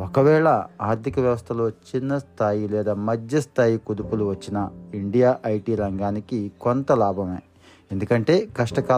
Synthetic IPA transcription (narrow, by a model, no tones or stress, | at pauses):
okɐʋɛːɭɐaːɾt̪ʰikɐʋjɐʋɐst̪ʰɐlo̞ːt͡ʃinːɐst̪ʰaːjilɛːd̪aːmɐd͡ʒjɐst̪ʰaːjikud̪upuluʋɐt͡ʃːinɐiɳɖijaːʔɐjʈiːɾɐŋɡaːnikikont̪ɐlaːbʱɐmeː | end̪ukɐɳʈe̞ːkɐʂʈɐkaː